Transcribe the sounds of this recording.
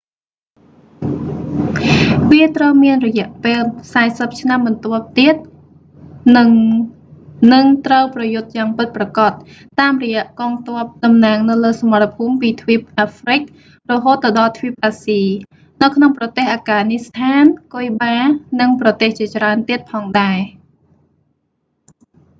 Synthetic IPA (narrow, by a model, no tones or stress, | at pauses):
ʋiət̪rəwmiənrɔjɛ̆əʔpeːlsaɛsəp̚t͡ɕʰnamɓɑnt̪ŏəp̚t̪iət̪̚ | nɨŋ | nɨŋt̪rəwprɑjʊt̪̚jaːŋpɨt̪̚prɑkɑt̪̚ː | aːmrɔjɛ̆əʔkɑːŋt̪ŏəp̚ɗɑmnaːŋnɨwləːsɑmɑt̪ːapʰuːmpiːt̪ʰʋip̚ʔaːfrɨk̚ | rɔɦoːt̪̚ːɑɗɑlt̪ʰʋiəp̚ʔaːsiː | nɨwkʰnoŋprɑt̪eːhʔaːɡaːnist̪ʰaːnkoəjɓaːnɨŋprɑt̪eːht͡ɕiət͡ɕraənt̪iət̪̚pʰɑːŋɗaɛ